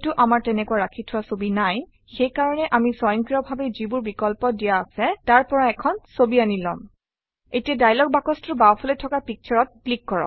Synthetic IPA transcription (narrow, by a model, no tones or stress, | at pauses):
tʊʔamaɹtɛnɛkuwaɹakʰitʰʊwasobinaj | xejkaɹɔnɛʔamisɔjɔŋkiɹɔbʱabɛzibʊɹbikɔlpɔdijaːsɛtaɹpɔɹaɛkʰɔnsobianilɔ̰m | etiadajlɔk̚bakɔstʊɹbawpʰɔlɔtʰɔkapik̚t͡ʃʰɔɹɔt̚klikːɔɹɔ̰